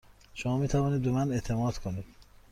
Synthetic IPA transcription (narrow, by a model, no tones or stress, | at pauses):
ʃomɒːmiːt̪ʰævɒːniːd̪̚be̞mænet̪ʰe̞mɒːd̪̥kʰoniːd̪̥